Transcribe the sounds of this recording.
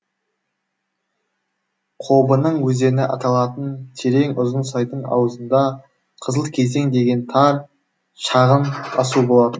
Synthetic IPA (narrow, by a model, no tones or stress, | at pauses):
qʰo̞bənəɴwɵze̞ɾɪneʔɑt̪ɑlˠɑt̪ənt̪ʰe̞ɾe̞ŋʊzənsɑjt̪əɴɑ̰wəzənd̪ɑ | qʰəzəlˠkʲʰe̞ze̞ŋd̪e̞ɡʲe̞nt̪ʰɑɾ | ʃɑʁənɑsubo̞lˠɑt̪ən